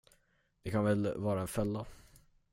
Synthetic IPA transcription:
d̪ɪkʰanvɛlvɑːɾaɛnfœlːa

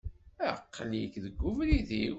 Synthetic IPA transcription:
æqːlikðəɡːʊvɾiði

